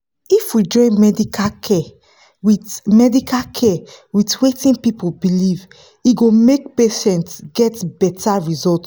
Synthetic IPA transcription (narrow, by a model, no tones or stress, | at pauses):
ifwid͡ʒɔ̃ɪ̃nmɛdikʰakʰɛ | witmɛdikʰalkʰɛwitwetĩnpipulbiliv | iɡomek̚peʃɛ̃ntsɡɛtbɛtaɹizɔlt